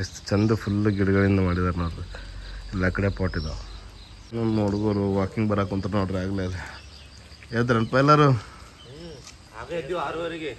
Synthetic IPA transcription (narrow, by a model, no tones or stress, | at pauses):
est̪t͡ʃɐnd̪upʰulːɡiɽuɡɐɭind̪ɐmaːɽid̪aːɾnoːɽɾeɛlːaːkɐɽeːpaːʈid̪ɐ | nonoːɽɡoːɾuʋaːkiŋɡbɐɾaːkunt̪ɐɾɐnoːɖɾɛaːɡleːli | eːd̪ɾɐɳpajlaːɾu